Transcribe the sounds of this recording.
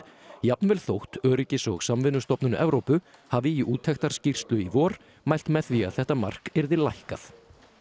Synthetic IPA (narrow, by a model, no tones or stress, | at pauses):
japnvɛlθowht̪œːɾɪcɪsɔɣsamvɪnːʏst̪ɔpnʏnʏ̰ʔɛvɾowpʏhaːvɪiʔuːt̪ʰɛxt̪aɾ̥scir̥st̪lʏivɔːɾ̥ | majl̥t̪mɛðθvia̰ðθɛht̪ama̰r̥kɛɾðɪlajhka̰θ